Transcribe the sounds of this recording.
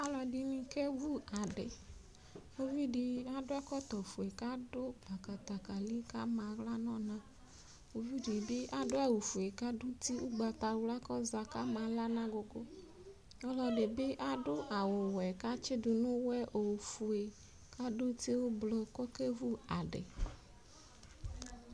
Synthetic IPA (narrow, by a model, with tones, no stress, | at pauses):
a˦lɔ˨di˨nĩ˦ke˦vu˦a˨ɖɪ˨ | o˦vi˦di˨a˦dʊ˦ɛ˦kɔ˦t̪ɔ˨fu˨e˨ka˦dʊ˦ba˨ka˨t̪a˨ka˨li˦ka˦mã˨ɣla˦nɔ̃˦nã˨ | o˨vi˦di˨bɪ˦ʔa˦dʊ˦a˨wu˨fu˨e˨ka˦dʊ˦ti˦u˦ɡ͡ba˨t̪a˨wla˦kɔ˦za˨ka˦ma˨la˦nã˦ɡʊ˨ɡʊ˦ | ɔ˦lɔ˨ɖe˨bɪ˦ʔa˦ɖʊ˦ʔa˨wʊ˨wɛ˨ka˦t͡ʃɪ˦dʊ˨nʊ̃˦wɛ˦ʔo˨wfu˨e˨ | ka˦dʊ˦ti˦wʊ˦blɔ˦kɔ˦ke˦vu˦a˨ɖɪ̰˨